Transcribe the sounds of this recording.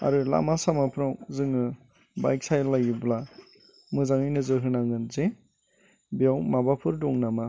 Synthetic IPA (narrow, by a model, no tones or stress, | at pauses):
a̰ɾɯla̰masamapʰɾawzɯŋɯ | ba̰jk̚sajlajɡibla | mɯzaŋɯjnɯzɯɦɯnaŋɯnze | bijawmabapʰɯɾdɔŋnama